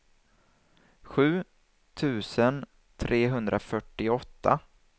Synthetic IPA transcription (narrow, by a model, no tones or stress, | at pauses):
ɧʉ̟ː | t̪ʰʉ̟ːsən | t̪ʰɾʔeːɦɵnd̪ɾʔafœʈːɪɔt̪ʰːa̰